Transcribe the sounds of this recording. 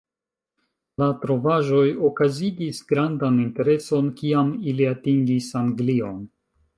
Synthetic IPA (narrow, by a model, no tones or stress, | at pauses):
latɾo̞vaʒo̞jo̞kaziɡisɡɾandaninte̞ɾe̞so̞nkiamiliatiŋɡisaŋɡlio̞n